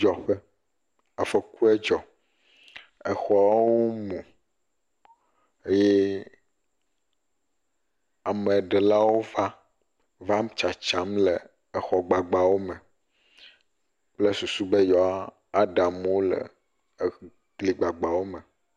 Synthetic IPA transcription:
d͡ʒɔ˨ɸe˦ | ɛ˨fe˨ku˦ɛ˦d͡ʒɔ˨ | e˨xɔ˨a˦wo˦mũ˨ | e˦jɛ˦ | a˨mẽ˨ɖe˨la˦wo˦va˦ | va˦m˦t͡ʃa˨t͡ʃa˦mle˨ | e˨xɔ˨ɡ͡ba˨ɡ͡ba˨wo˦mɛ˨ | k͡ple˦su˨su˦be˦jɔ˨a˦ | a˦ɖa˨mwo˦lḛ˨ | ɡli˨ɡ͡ba˨ɡ͡ba˨wo˦mɛ̃˨

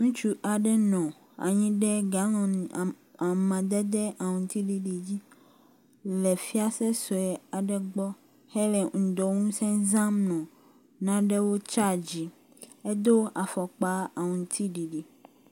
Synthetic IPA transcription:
ŋũ˦t͡ʃu˦ʔa˨ɖɛ˦nɔ̃˨ | a̰˨ɲĩ˦ɖɛ˦ɡa˨˦nɔ̃˨n˨ | a˨mã˨d̪ɛ˦d̪ɛ˦ʔa˨ŋũ˨t̪i˦ɖi˨ɖi˨d͡ʑi˦ | lɛ˨fi˦a˦sɛ˦sɔ˨ɛ˨a˨ɖɛ˦ɡ͡bɔ˦ | hɛ˦lɛ˨ŋ̩˨d̪ɔ˨ŋũ˦sɛ̃˦zã˦mnɔ̃˨ | nã˦ɖɛ˦wo˦t͡ʃa˦˨d͡ʑi˨ | e˦d̪o˦a˨fɔ˨k͡pa˦a˨ŋũ˨˦t̪ʰi˦ɖi˨ɖi˨

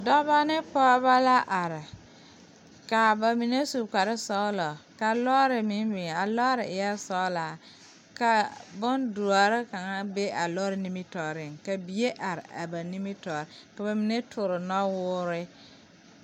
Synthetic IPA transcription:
dɔ˦ba˦nɪ˦pɔ˦ba˦la˦ʔa˨ɾɪ˨ | ka˨ba˨mi˨ne˦su˨ka˨ɾɪ˦sɔ˦lɔ˨ka˨lɔ˦ɾɪ˨mɪ˦m˦bɪ˨ŋ˨a˨lɔː˦ɾɪ˨ɪ˨ja˦sɔ˦laː˨ | ka˨bʊ˦ndu˨a˨ɾɪ˦ka˨ŋa˦be˦a˨lɔː˦ɾɪ˨ni˦mi˦tɔ˨ɾɪ˦˨ŋka˨bi˨e˦ʔa˨ɾɪ˨a̰˨ba˨ni˦mi˦tɔː˨ɾɪ˨ka˨ba˨mi˨ne˦tʰʊ˨ɾɪ˨nɔ˦wʊː˦ɾɪ˦

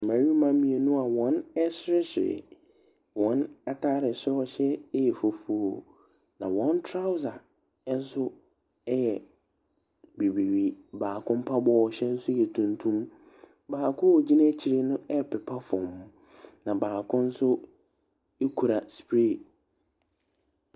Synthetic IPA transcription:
mã˨ɲi˦mã˦mĩ˨e˨nũ˦a˨wɔ̃˦nɛ˦ɕɪ˦ɾɪ˦ɕɪ̰˨ɾɪ̰˨ | wɔ̃˦nɛ˦tʰaː˦ɾɪ˨ɕɪ˦ɾɔ˨ɕɛ˦jɛ˨fo˨fu˦˨o˨ | nã̰˨wɔ̃˦n˦tʰɾa˦ʊ˦za˨˦ | n̩˦sʊ˦ | jɛ˨ | bi˨bi˨ɥi˨baː˨kʰʊ̃˦m̩˦pʰa˦bɔː˦˨ɕɛ˦n̩˦sʊ˦jɛ˨tʰũ˦ntʰũ˦m | baː˨kʰʊ̃˦o˨d͡ʑi˦nã˦t͡ɕʰi˨ɾe˦nʊ̃˦ɛ˦˨pɪ˨pʰa˦fɔ˨mhʊ̃˦ | nã˨baː˨kʊ̃˦n̩˦sʊ˦ | e˦kʰu˨ɾa˨spɾe˦˨

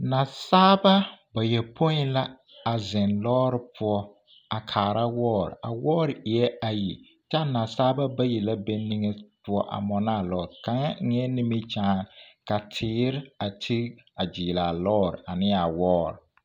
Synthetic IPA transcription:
na˨saː˦ba˦ba˨jɛ˨pʰo˦ɪ̃˦la˦ | a˨zɪ˨nlɔː˦ɾɪ˦pʊ˦ɔ˦ | a˨kʰaː˨ɾa˦wɔː˦ɾɪ̰˨a̰˨wɔː˦ɾɪ˨ɪ˨ɛ˦a˨ji˨ | t͡ʃa˦na˨saː˦ba˦ba˦ji˨la˦be˦ni˦ŋɛ˦pʊ˦ɔ˦ʔa̰˨mɔ˨na˦˨lɔː˦ɾɪ˨ka˨ŋa˦ŋɛ˦nɪ˦mi˦t͡ʃaː˦ka˨tʰɪː˨˦ɾɪ˦a˨tʰi˦ | a˨d͡ʒiː˨la˨lɔː˦ɾɪ̰˨a˨nɪ̃˦a˨wɔː˦ɾɪ˨

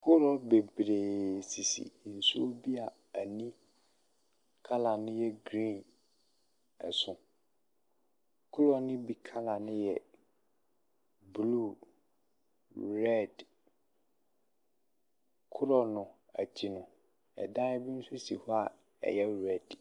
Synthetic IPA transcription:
kʰʊ˦ɾɔ˨be˨bɾeː˨si˨sḭ˨n̩˨su˦o˦bi˦a˨ | a˨nĩ˦ | kʰa˦la˨nʊ̃˦jɛ˦ɡɾĩ˦˨n | ɛ̰˨sʊ̃˨ | kʰʊ˦ɾɔ˨nʊ̃˦bi˦kʰa˦la˨nʊ̃˦jɛ˨ | blu˦˨ | ɾɛ˦˨d | kʰʊ˦ɾɔ˨nʊ̃˨ | a˨t͡ɕʰi˨nʊ̃˨ | ɛ̰˨dã˦ɛ˦bi˦n̩˦sʊ˦si˨hɔ˦a˨ | ɛ̰˨jɛ˦ɾɛ˦˨d̥

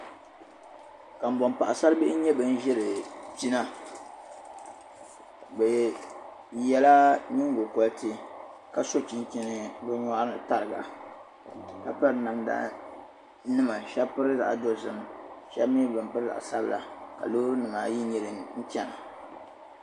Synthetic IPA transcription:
ka˨m̩˨bɔ˨mpa˨ʔa˨sa˦lbɪ˦ʔɲɛ˦bɨ˨n̩˦ʒɛ˦lɨ˨t͡ʃi˦na˦ | bɛ˨ | jɛ˦la˦ni˦ŋ˦ɡo˨kɔ˦ltɨ˦ | ka˦so˦t͡ʃi˨n˦t͡ʃi˦nɨ˦bɨ˦ɲɔ˦ʔnɨ˨ta˦ɾɨ˨ɡa̰˨ | ka˨pɨ˦ɾna˨mda̰˦˨˦ | nɨ˦ma˨ʃɛ˦bpɨ˦ɾɨ˦za̰˨ʔdo˦˨zɨ˨m˨ʃɛ˦bmi˦bɨ˨mpɨ˦ɾɨ˦za̰˨ʔa̰˨sa˦bɨ˨la̰˨ka̰˨lo˦hɾɨ˦nɨ˨ma˨ji˦ɲɛ˨˦lɨ˨n̩˦t͡ʃɛ˦na˨

